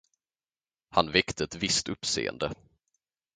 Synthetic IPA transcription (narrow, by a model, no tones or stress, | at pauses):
hanvɛkt̪ʰəɛt̪vɪst̪ɵpsḛːə̰nd̪ə